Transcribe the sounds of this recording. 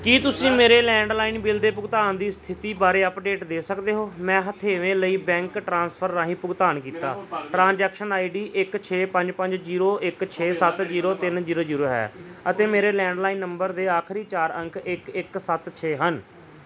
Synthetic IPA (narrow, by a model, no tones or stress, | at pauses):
kiːt̪ʊsĩːmeːɾeːlɛ̃ːɳɖlaːiːnbɪld̪eːpʊɡt̪aːnd̪iːst̪ʰɪt̪iːbaːɾeːəpɖeːʈd̪eːsəkd̪eːɦoːmɛ̃ːɦət̪ʰeːʋẽːləiːbɛ̃ːŋkʈɾãːnspʰəɾːãːɦĩːpʊɡt̪aːnkiːt̪aːʈɾãːnd͡ʒɛːkʃənaːiɖiːʔɪkt͡ʃʰeːpə̃ɲd͡ʒpəɲd͡ʒd͡ʒiːɾoːʔɪkt͡ʃʰeːsət̪d͡ʒiːɾoːt̪ɪnziːɾoːziːɾoːɦɛ̰ːət̪eːmeːɾeːlɛ̃ːɳɖlaːiːnːəmbəɾd̪eːaːkʰɾiːt͡ʃaːɾə̃ŋkʰɪkɪksət̪t͡ʃʰeːɦən